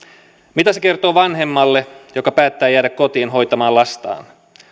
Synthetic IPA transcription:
mit̪æse̞ke̞rt̪o̞ːʋɑnɦe̞mːɑlːejokɑpæːt̪ːæːjæːɾækːo̞t̪iːnɦo̞jt̪ɑmɑːlɑst̪ɑ̰ːn

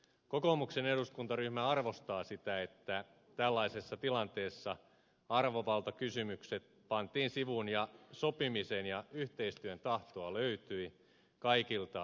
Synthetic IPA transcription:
kokomukseneduskunt̪ɑryhmæɑrʋo̞st̪ɑːsit̪æet̪ːæ | t̪ælːɑisesːɑt̪ilɑnt̪eːsːɑ | ɑrʋoʋɑlt̪ɑkysymykset̪ | pɑnt̪iːnsiʋunjɑso̞pimisenjɑyht̪eist̪yønt̪ɑht̪oɑløyt̪yi | kɑikilt̪ɑ

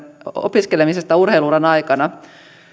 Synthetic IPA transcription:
o̰piskelemisest̪æurɦeiluːɾɑnɑjkɑnɑ

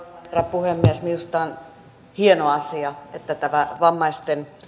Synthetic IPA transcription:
rːɑpuhemːiesmiust̪ɑn | hienoɑsiɑet̪ːæt̪æʋæʋɑmːɑist̪en

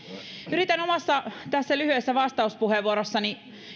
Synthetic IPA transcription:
yɾit̪ænomɑsːɑt̪æsːælyhyesːæʋɑst̪ɑuspuheʋuoɾosːɑni

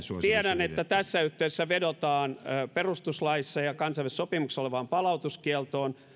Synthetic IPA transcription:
t̪iɛɾænet̪ːæt̪æsːæyht̪ːesːæʋedot̪ɑːnːperust̪uslɑisːɑjɑkɑnsɑiʋessopimuksesoleʋɑːmpɑlɑut̪uskiɛlt̪oːn

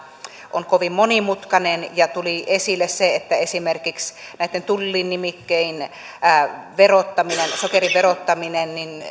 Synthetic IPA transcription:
ʔo̰nkoʋimmonimut̪kɑnenjɑt̪uliʔesilːesseet̪ːæesimerkiksnæˑit̪ːent̪ulːinːimikːeinː | ʋerot̪ːɑminensokeriʋʋerot̪ːɑminennin

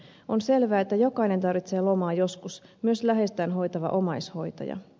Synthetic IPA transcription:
o̞nse̞lʋæːet̪ːæjo̞kɑine̞nt̪ɑrʋit̪se̞ːlo̞mɑːjo̞skusmyøslæɦe̞st̪æːnɦo̞jt̪ɑʋɑ̰ʔo̞mɑjsho̞jt̪ɑ̰jɑ̰

